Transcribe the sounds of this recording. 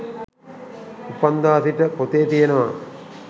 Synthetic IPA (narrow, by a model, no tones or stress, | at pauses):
upand̪aːsiʈəpot̪eːt̪ijenəʋa